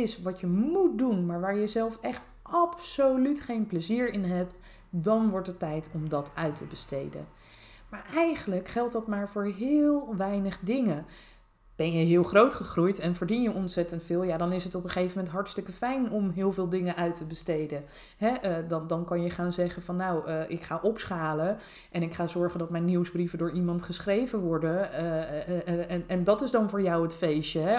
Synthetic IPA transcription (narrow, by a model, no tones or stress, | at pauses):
ɪsʋɑtjəmut̚dunmaːɹʋaːɹjəzɛlˠfɛχt | ʔɑpsowlytχejnpləziːɹɪnɦɛp̚t | dɑnʋɔɹtətɛjtʰɔmdɑtʰœɥtʰəbəstḛjdə̰ | maːɹʔɛjχənləkχɛlˠtdɑtmaːɹvʊːɹɦɪːlˠʋɛjnəχdɪŋə | b̥ɛnjəɦɪːlˠχrowtχəχrujtɛnvəːɹdinjəʔɔnsɛtəntfɪːlˠjaːdɑnɪsɦətɔpəχejvəmɛntɦɑɹtstɵkəfɛjnɔmɦɪːlˠvɪːlˠdɪŋəʔœɥtəbəstejdən | ɦɛdndɑnkɑnjəχaːnzɛχənvɑnːawʔɪkχaːʔɔpsχaːlə | ʔɛnɪkχaːzɔɹχəndɑtmɛjniwsbrivədʊːɹimɑntχəsχrejvənʋɔɹdən | nɛndɑtɪzdɑnvʊːɹjɑwətfejʃəɦɛ